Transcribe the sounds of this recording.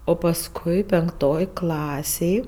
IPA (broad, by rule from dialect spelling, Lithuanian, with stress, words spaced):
oː pɐsˈkʊɪ pʲɛŋkˈtoːj ˈklˠɑːsʲeːj